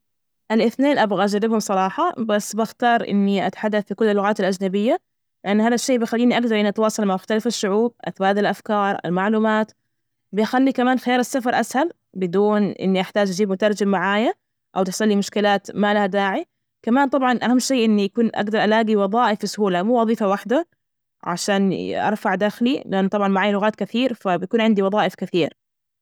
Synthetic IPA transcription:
ʔalʔɪθneːnʔabɣaʔad͡ʒaɾːɪbhʊmsˤɑɾˤɑːħɑbasːbaxt̪ɑːɾˤʔɪ̰nːiʔa̰t̪ḁħad̪ːaθfikʊlːalːʊɣaːt̪alʔad͡ʒnabɪjːa | lɪʔanːhaːðaʃːeːʔbɪjxalːiːniʔaɡ̚d̪ɑɾˤʔɪniʔat̪wɑːsˤɑlmaʕbʊxt̪alafaʃːʊʕuːb̚ʔa̰t̪baːd̪alʔafkɑːɾˤʔa̰lmaʕluːmaːt̪ | bɪjxalːikamaːnxɪjaːɾasːafɑɾˤʔashal | bɪd̪uːnʔɪ̰nːiʔaħt̪aːd͡ʒʔad͡ʒiːbmʊt̪ɑɾˤd͡ʒɪmmaʕaːja | ʔawt̪ɪsˤɑlːimʊʃkɪlaːt̪maːlahad̪aːʕi | kamaːnt̪ˤɑbʕɑnʔahamːʃeːʔɪnːijakuːnʔa̰ɡd̪ɑɾˤʔalaːɡiwɑðˤɑːʔɪfsʊhuːlamuːwɑðˤiːfawaħd̪a | ʕa̰ʃaːnʔɑ̰ɾˤfaʕd̪axlilɪʔanːt̪ˤɑbʕɑnmaʕaːjalʊɣaːt̪̚kɪθiːɾfabɪj̪akuːnʕɪnd̪iwɑðˤɑːʔɪfkɪθiːɾ

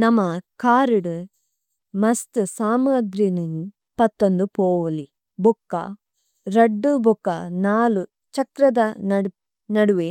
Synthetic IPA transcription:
nɐmːɐkaːɾuɽu | mɐst̪usaːmaːd̪ɾinɐnu | pɐt̪ːond̪upoːʋɐli | bʱukːɐ̰ | ɾɐɖːubʱukːɐnaːlu | t͡ʃɐkɾɐd̪ɐnɐ | nɐɽuʋe

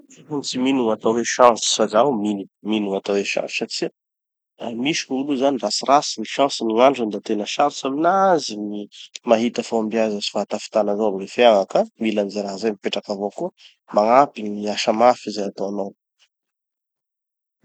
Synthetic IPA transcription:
afunit͡siminuŋat̪aweʃãsi̥sazawminuminuŋat̪aweʃã̰si̥saʈ͡ʂi | amiʃi̥kuuluzanirasirasiniʃãsiniŋaɳɖ͡ʐand̪at̪enəʃaɾisaminazinimaɦit̪afawambiazasi̥faat̪afi̥t̪anazawamlefeaŋakamilanizaɾaɦzajmipeʈ͡ʂakavokuə | maŋapiɲiaʃamafizajat̪oano

